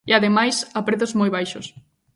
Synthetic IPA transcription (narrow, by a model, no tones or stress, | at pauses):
iaðemajsapɾeθozmojβajʃos